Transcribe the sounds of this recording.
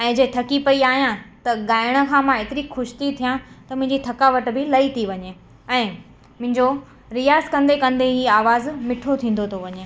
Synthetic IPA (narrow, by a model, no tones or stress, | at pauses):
ɛ̃ːd͡ʑɐt̪ʰɐkipɐiaːɦijãt̪ɐɡaːɪɽ̃ə̆kʰãːmãɪt̪ɪɾixʊʃɪ̥t̪it̪ʰijãt̪ɐmʊ̃ɦɪ̃ɲd͡ʑit̪ʰɐkaːʋəʈ̆bɪlɐit̪ʰiʋɐɲe | ɛ̃ː | mʊ̃ɦɪ̃ɲd͡ʑo | ɾijaːzkɐ̃nd̪ekɐ̃nd̪eɦiːaːʋaːzmɪʈʰot̪ʰĩːnd̪ot̪ʰoʋɐɲeː